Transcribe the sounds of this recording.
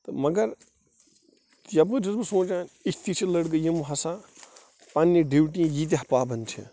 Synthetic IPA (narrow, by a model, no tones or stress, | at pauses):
t̪ɨmɐɡɐɾ | jɐbɡɨd͡ʒɐzbɨsõːt͡ʃaːnisʲʰt̪it͡ʃʰilɐɽɡɨjimɦɐsa | panːiɖiwʈĩjit̪̬iɦɐpaːbɐnt͡ʃʰḭ